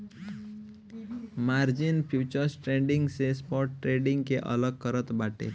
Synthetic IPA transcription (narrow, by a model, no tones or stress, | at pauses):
maɾd͡ʒinpʰjut͡ʃəɾsʈɾeɳɖiŋɡsespɔɾʈːɾeɖiŋɡkeʔə̰ləɡ̚kəɾət̪baʈḛ